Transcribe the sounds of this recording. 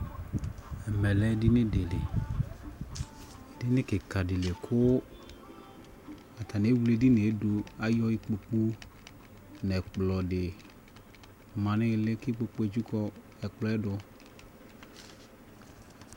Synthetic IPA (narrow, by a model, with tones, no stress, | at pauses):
ɛ˨mɛ˨lɛ˨˦dɪ˦nɪ˦de˨le˨ | dɪ˦nɪ˦kɪ˨ka˨dɪ˨le˨kʰʊ˦ | a˨ta˨ne˨˦wu˦le˦dɪ˦ne˨˦dʊ˧a˨jɔ˦ɪ˦k͡po˨k͡pu˦ | nɛ˨k͡plɔ˨dɪ˨ | mã˨nɪ˦lɪ˦kɪ˦k͡po˧k͡pu˦e˦d͡ʒu˦kɔ˦ | ɛ˨k͡plɔ˦ɛ˦dʊ˧